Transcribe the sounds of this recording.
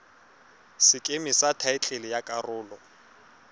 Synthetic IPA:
sɪkʼemɪsatʰaɪt͡ɬʼelɪjakʼarʊːlɔ

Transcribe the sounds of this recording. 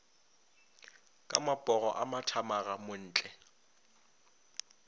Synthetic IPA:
kʼamabʼɔɣɔʔamatʰamaɣamʊn̩ːt͡ɬʼɛ

